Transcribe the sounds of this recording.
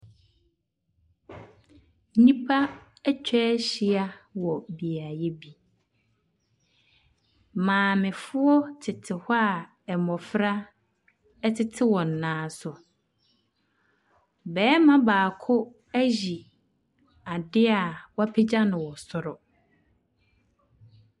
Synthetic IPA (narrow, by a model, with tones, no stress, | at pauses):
nĩ˦pʰa˦ | ɛ˦t͡ɕᶣʰɛː˦ɕi˨a˦wɔ˨bi˨a˨jɛ˦bi˦ | mãː˨mɪ̃˨fʊ˦ɔ˦tʰɪ˨tʰɪ˨hɔ˦a˦˨ | ɛ˨mɔ̃˨fɾa˦ | ɛ˦tʰɪ˦tʰɪ˦wɔ̃˨n̩˨nãː˨˦sʊ˨ | bɛː˨˦mã˦baː˨kʰʊ˦ | æ˦ʑi˨ | a˨dɪ˦a˨wɔ˦a˦pʰe˦d͡ʑa˦nʊ̃˨wɔ˨sɔ˨ɾɔ˨